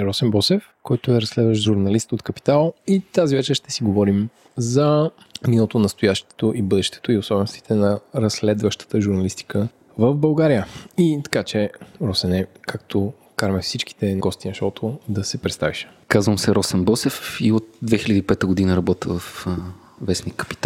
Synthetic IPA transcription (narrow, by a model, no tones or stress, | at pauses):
ɾɔsɛmbɔsɛf | kɔjt̪oɛɾɐsːlɛd̪vəʃʒuɾnɐlist̪ot̪kɐpi̥t̪alˠit̪azivɛt͡ʃɛɾʃt̪ɛ̥siɡovɔɾim | zɐ | minəlˠot̪onɐst̪ojaʃt̪ɛ̥t̪oʔibɤd̪ɛʃt̪ɛ̥t̪oiosɔbɛnost̪i̥t̪ʰɛnɐɾɐslɛd̪vəʃt̪ə̥t̪əʒuɾnɐlist̪i̥kə | vəvbɐlˠɡaɾijəit̪ɐ̥kat͡ʃɛɾɔsɛnɛkakt̪ʰo | kaɾmɛfsit͡ʃk̟i̥t̪ɛnɡɔst̪inɐʃɔt̪ʰod̪ɐsɛpɾɛt̪st̪a̰viʃɛ̥kazvəmsɛɾɔsɛnbɔsɛfiot̪̚d̪vɛxilʲəd̪ipɛt̪əɡod̪inəɾɐbɔt̪əvəf | vɛsnikːə̥pi̥t̪a